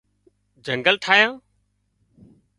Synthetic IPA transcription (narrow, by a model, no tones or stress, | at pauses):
d͡ʒə̃ŋɡəlʈʰaːɦjãː